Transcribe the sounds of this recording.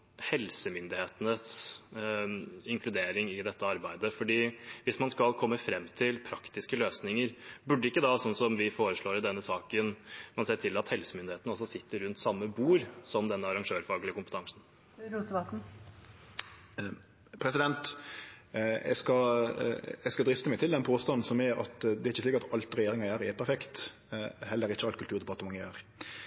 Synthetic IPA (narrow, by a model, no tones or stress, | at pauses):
hɛlsəmʏnd̪ɪheːt̪ənəs | ɪŋkʰlʉd̪eːɾɪŋɪd̪ɛt̪ːəɑɾbæɪd̪əfɔɖiːʋɪsmɑnskɑlkʰɔmːəfɾɛmːt̪ʰɪlpʰɾɑkt̪ɪskəløːsnɪŋəɾbʉɖːəɪkːəd̪ɑsɔnːsɔmʋɪfoːɾəʂɭoːɾd̪ɛnːəsɑːkənmɑnseːʈʰɪlːɑt̪hɛlsəmʏnd̪ɪheːt̪nəɔsːɔsɪt̪ːəɾʉnt̪sɑmːəbuːɾsɔmd̪ɛnːəɑɾɑŋʂøːɾfɑːɡəlɪəkʊmpət̪ʰɑŋsn̩ | ɾut̪əbɑk | pʰɾɛsɪd̪ɛnt̪ | ɛ̰skɑ | ɛskɑd̪ɾɪst̪əmɛɪt̪ɪld̪ɛnpʰoːst̪ɑnn̩sɔmɛɑ̰t̪d̪ɛɾɪçːəsliːkəɾɑt̪ɑlt̪ɾɛjeːɾɪŋɑjæːɾɛpʰæɾfɛkt̪ | hɛlːəɾɪçːəɑlt̪kʰʉlt̪ʉːʁd̪ɛbɑt̪ːəmɑŋːəjæːɾ